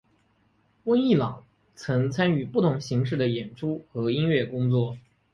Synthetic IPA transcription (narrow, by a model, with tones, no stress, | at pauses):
wə˥ni˥˩lɑ˨˩˦ŋ | t͡sʰɤ˧˥ŋt͡sʰa˥ny˨˩pu˥˩t̪ʰʊ˧˥ŋɕi˧˥ŋʂ̬ɻ̩˥˩d̪ə˩jɛ˨˩nʈ͡ʂʰu˥xɤ˧˥i˥nɥɛ˥˩kʊ˥ŋt͡swɔ˥˩